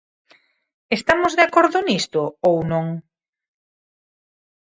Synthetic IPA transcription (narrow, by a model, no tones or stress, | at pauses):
est̪amʊzðeakoɾðʊnist̪ʊownõŋ